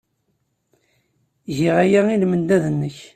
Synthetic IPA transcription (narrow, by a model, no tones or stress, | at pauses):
ʝiʁæjæilmənd̪æðənːəç